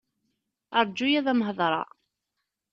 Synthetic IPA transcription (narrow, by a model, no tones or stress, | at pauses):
əɾˤd͡ʒujæðæmɦəðˤɾˤɑ̰